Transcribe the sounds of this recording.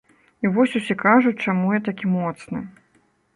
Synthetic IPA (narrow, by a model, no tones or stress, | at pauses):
ivɔsʲusʲɛkaʐut͡sʲt͡ʂamujat̪akʲimɔt̪snɨ